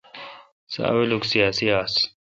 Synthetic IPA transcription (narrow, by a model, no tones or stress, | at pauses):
sa̰wiluksijaːsijaːs